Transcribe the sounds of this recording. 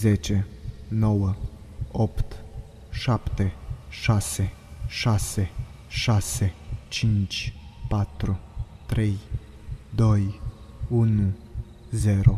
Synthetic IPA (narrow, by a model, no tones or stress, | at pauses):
zet͡ʃeno̞wə | opt̪ | ʃapt̪eʃaseʃase | ʃaset͡ʃint͡ʃʲpat̪ɾut̪ɾe̞j | d̪oj | unu | zeɾo